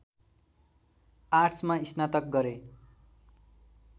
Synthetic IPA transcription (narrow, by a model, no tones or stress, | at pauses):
aʈsmaisnat̪ʌk̚ɡʌɾe